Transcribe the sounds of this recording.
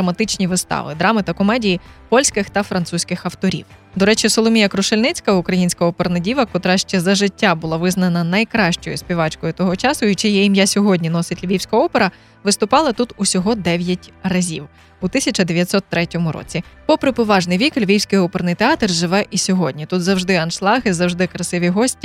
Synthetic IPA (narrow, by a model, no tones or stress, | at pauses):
d̪ɾɐmɐt̪ɪt͡ʃnʲiʋɪst̪ɑ̰ʋɪ̰d̪ɾɑmɪt̪ɐkɔmɛdʲijipɔlʲsʲkɪxt̪ɐfɾɐnt̪susʲkɪxɐwt̪ɔɾʲḭw | d̪ɔɾɛt͡ʃisɔlˠɔmʲijɐkɾʊʃelʲnɪt͡sʲkɐʊkɾɐjinʲsʲkɐɔpeɾnɐdʲiʋɐkɔt̪ɾɑʃt͡ʃɛzɐʒɪtʲːabʊlˠɑʋɪznɐnɐnɐjkɾɑʃt͡ʃɔjʊspʲiʋɑt͡ʃkɔjʊt̪ɔɦɔt͡ʃɑsʊjit͡ʃɪjɐjimjasʲɔɦɔdʲnʲinɔsɪtʲlʲʋʲiwsʲkɐɔpeɾɐ | ʋɪst̪ʊpɑlˠɐt̪ut̪usʲɔɦɔd̪ɛʋʲjɐtʲrɐzʲḭw | ut̪ɪsʲɐt͡ʃɐd̪eʋʲjɐt̪ʲsɔt̪ːɾɛtʲɔmʊɾɔ̰t͡sʲipɔpɾɪpɔʋɑʒnɪjʋʲiklʲʋʲiwsʲkɪjɔpernɪjt̪eɑt̪rʒɪʋɛʔisʲɔɦɔdʲnʲit̪ut̪zɐwʒd̪ɪɐnʃlˠɑɦɪzɐwʒd̪ɪkɾɐsɪʋʲiɦɔsʲtʲi